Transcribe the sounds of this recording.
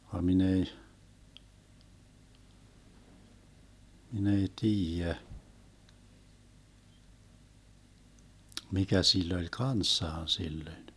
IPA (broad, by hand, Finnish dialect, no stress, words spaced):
ʋɑ min ei min ei tiːjæ mikæ silː olʲ kɑnsːɑːn silːøĭn